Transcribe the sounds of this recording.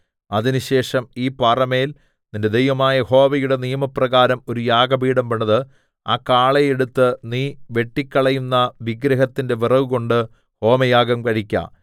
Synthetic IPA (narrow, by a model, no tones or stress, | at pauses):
ɐðinɨɕe̞ːʂɐmiːpaːrɐme̞ːl | ninde̞d̪ejʋɐmaːjɐho̞ːʋɐjuɽe̞nijɐmɐprɐɣaːɾɐmo̞ɾujaːɡɐbiːɽɐmʋeɳːɐðɨ | a̰ːkaːɭejeɽut̪ːɨniːʋe̞ʈːikʲːɐɭɐjunːɐʋiɡɾɐɦɐt̪ːinde̞ʋirɐʋuɣo̞ɳɖɨ | ho̞ːmɐjaːɡɐmkɐɻikʲːa̰